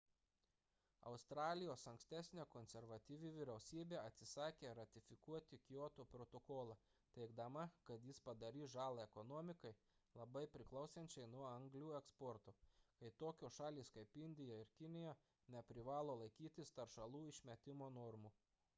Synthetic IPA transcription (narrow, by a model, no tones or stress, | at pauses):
ɐ̰ʊst̪ɾɑːlʲɪjoːsɐŋksʲt̪ʲæsʲnʲeːkonʲsʲɛɾʋɐt̪ʲiːʋʲiʋʲɪɾʲɛʊsʲiːbʲeːɐt̪ʲsʲɪsɑːkʲeːɾɐt̪ʲɪfʲɪkuɔt̪ʲɪkʲjoːt̪opɾot̪oːkoːlˠɐ | t̪ʲɛɪɡd̪ɐmɐkɐt̪jɪspɐd̪ɐɾʲiːsʒɑːlˠɐɛkɔnɔːmʲɪkɐɪ | lˠɐbɐɪpʲɾʲɪklˠɐʊsʲɛnʲt͡ʃʲɛɪnuɔɐŋɡlʲuːɛkspɔɾt̪oːkɐɪt̪oːkʲoːʃɑːlʲiːskɐɪpɪnʲd̪ʲɪjɛɪɾkʲɪnʲɪjɛ | nʲɛpʲɾʲɪʋɑːlˠoːlˠɐɪkʲiːt̪ʲɪst̪ɐɾʃɐlˠuːɪʃʲmʲɛt̪ʲɪmoːnɔɾmuː